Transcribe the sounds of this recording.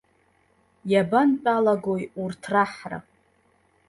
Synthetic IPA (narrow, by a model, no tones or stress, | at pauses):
jabantʼalaɡojurtʰraħra̰